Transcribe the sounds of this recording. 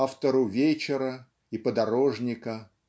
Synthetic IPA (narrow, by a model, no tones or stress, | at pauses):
aft̪əɾʊvʲet͡ɕɪɾə | ipəd̪ɐɾo̞ʐnʲɪkə